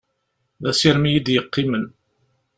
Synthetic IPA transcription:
ðæsiɾmijid̪jəqːimən

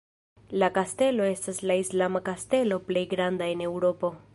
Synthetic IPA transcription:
lakaste̞lo̞e̞staslaislamakaste̞lo̞ple̞jɡɾandae̞ne̞wɾo̞po̞

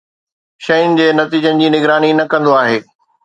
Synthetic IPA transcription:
ʃɐʊnɪ̆d͡ʑeːnɐt̪iːd͡ʑənɪ̆d͡ʑiːnɪɡɾaːninɐkɐ̃nd̪oaːɦeː

